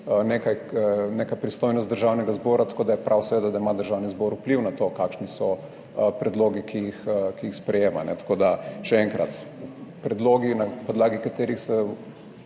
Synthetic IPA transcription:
nekajnekapɾist̪oːjnɔst̪d̪əɾʒawnɛɡazbɔːɾat̪ɐ̥koːd̪ajɛpɾʔawsɛʋeːd̪ad̪aimad̪əɾʒawnizbɔɾupliwnat̪okakʃnisɔ | pɾɛd̪loːɡikʰijixkiixspɾɛjeːma̰nɛ̰t̪ḁkoːd̪aʃɛɛŋkɾa̰t̪upɾɛd̪loːɡinapɔd̪laːɡikat̪eːɾixsɛ

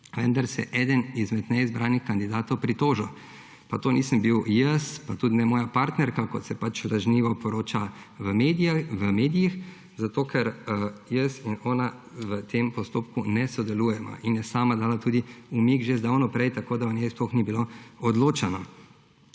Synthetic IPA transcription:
ʋənd̪aɾsɛ̰ʔɛːd̪ənizmɛd̪nɛizbɾaːnixkand̪id̪aːt̪ɔwpɾit̪oːʒɔ | pat̪oːniːsəmbiwjəspat̪uːd̪nɛmɔːjapaɾt̪nɛɾkakɔt̪sɛpat͡ʃlaʒniːʋɔpɔɾoːt͡ʃaʋəmed̪ijaʋəmeːd̪ijix | zat̪oːkʰɛɾjəsinɔːna | ʋət̪ʰempɔst̪oːpkunɛsɔd̪ɛluːjɛma̰ʔinjɛsaːmad̪aːlat̪uːd̪iumikʒezd̪awnɔpɾɛjt̪akoːd̪aɔnjɛsplɔxnibiloɔd̪loːt͡ʃanɔ

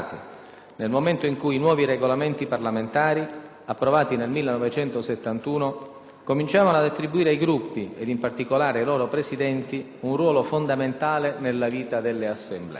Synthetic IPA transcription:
t̪i | nelmoment̪oiŋkuinwɔːviɾeɡolament̪iparlament̪aːɾi | apːɾovaːt̪inelmilːenɔvet͡ʃɛnt̪oset̪ːant̪uːno | komint͡ʃaːvanoad̪at̪ːɾibuiːɾeajɡɾupːied̪impart̪ikolaːɾeajloːɾopɾesid̪ɛnt̪i | unrwɔːlofond̪ament̪aːlenelːaviːt̪ad̪elːeasːemblɛ̰

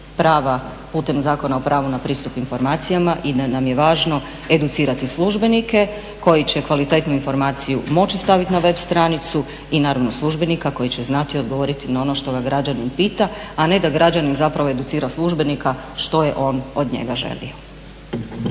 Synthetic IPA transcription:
pɾaːʋa | puːt̪e̞mzaːko̞nao̞pɾaːʋunapɾiːst̪upinfo̞ɾmaːt̪sijamaʔid̪anamje̞ʋaːʒno̞ | e̞d̪ut̪siːɾat̪islˠuʒbe̞nike̞ | ko̞jit͡ɕe̞kʋalit̪e̞t̪nuinfo̞ɾmaːt̪sijumo̞t͡ɕist̪aʋit̪inaʋe̞bst̪ɾanit̪su | inaːɾaʋnoslˠuʒbe̞nikako̞jit͡ɕe̞znat̪io̞d̪ɡoʋo̞ːɾit̪inao̞no̞ʃt̪o̞ɡaɡɾad͡ʑaninpiːt̪aane̞d̪aɡɾad͡ʑaninzapɾaʋo̞e̞d̪ut̪siːɾaslˠuʒbe̞nikaʃt̪o̞jḛʔo̞ːno̞d̪ɲḛɡaʒe̞̰lḭo̞

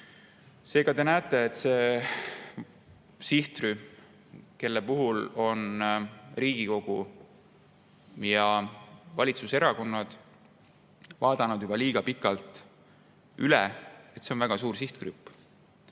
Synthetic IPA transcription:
se̞ːɡ̥ɑd̪e̞næet̪ːˑe̞ːt̪se̞ | siht̪ry | ke̞lːepuɦulo̞n | riːɡ̥iko̞ɡ̥u | jɑvɑlʲit̪suse̞ɾɑko̞nːɑd̪̥ | vɑːd̪̥ɑnud̪̥jubɑliːɡ̥ɑpikːˑɑlt̪ˑ | ylɛe̞t̪se̞onvæɡ̥ɑsuːɾsiht̪krypː

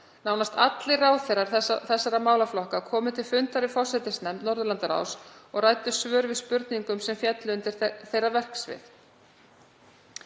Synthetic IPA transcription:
naːwnast̪at̪lɪraːwθejɾaɾθɛsːaɾamaːwlaflɔhkakʰɔːmʏt̪ʰɪlfʏnt̪aɾɪfɔ̥sɛt̪ɪsnɛmt̪nɔɾðʏlant̪aɾa̰ːwsɔɣraːjt̪ʏsvœːɾvɪðspʏɾt̪niŋkʏmsɛmfjɛt̪lɪʏnt̪ɪɾθejravɛr̥ksvɪ̰θ

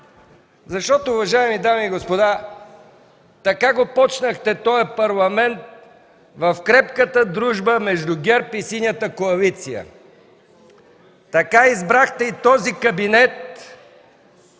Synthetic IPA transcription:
zɐʃt̪ɔt̪oʊːvɐʒaɛmid̪amiːɡospod̪a | t̪ɐkaɡopɔt͡ʃnəxt̪ɛt̪ɔjɐpɐɾlˠɐmɛnt̪̚ | vɐfkɾɛp̚kət̪əd̪ɾuʒbəmɛʒd̪ʊɡʲɛɾpisinjət̪əkoɐlit̪sijə̰ | t̪ɐkaizbɾaxt̪ɛit̪ɔzikɐbinɛt̪̚

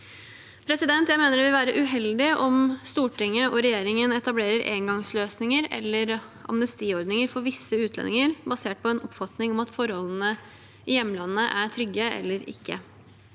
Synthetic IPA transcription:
pʰɾɛsɪd̪ɛnt̪jæɪmeːnəɖɛʋɪlʋæːɾəʔʉɦɛld̪ɪʔɔmst̪uːʈɪŋːəʔɔɾɛjeːɾɪŋənɛt̪ɑbleːɾəɾʔḛːŋɡɑŋsløːsnɪŋəɾɛ̰lːəɾʔɑ̰mnəst̪iːɔɾd̪nɪŋəɾfɔɾʋɪsːəʉːt̪ʰlɛ̰nɪŋəɾbɑseːʈ̚pʰɔɛnɔpːfɑt̪nɪŋɔmɑt̪fɔɾhɔlːn̩ə | ɪjɛmːəlɑnːəʔæʈʰɾʏɡːəʔɛ̰lːəɾɪ̰kːə

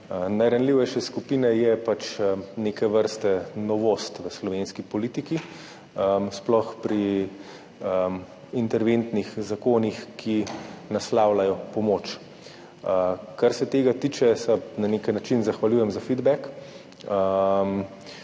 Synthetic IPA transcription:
najɾanliwʋɛjʃɛskupiːnɛjɛpat͡ʃnekɛʋəɾst̪ɛnɔʋoːst̪ʋəslɔʋenskipɔliːt̪iki | əsplɔxpɾi | ə | int̪ɛɾʋent̪nixzakoːnixkʰinaslaːwlajɔpɔmoːt͡ʃ | əkaɾsɛt̪eːɡat̪iːt͡ʃɛsɛnaneknat͡ʃinzaxʋaljujɛmzafid̪bɛk | əm

